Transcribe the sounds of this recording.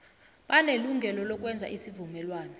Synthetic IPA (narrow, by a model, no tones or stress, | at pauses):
ɓaneluŋʱɛlɔlɔk̬ʼwɛnd͡zʱa̰ʔisivumɛlwaːnɔ